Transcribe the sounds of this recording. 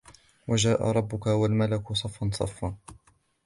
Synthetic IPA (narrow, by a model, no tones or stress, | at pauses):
wad͡ʒaːʔa̰ɾˤɑbːʊkawalmalakʊsˤɑfːɑnsˤɑ̰fːaː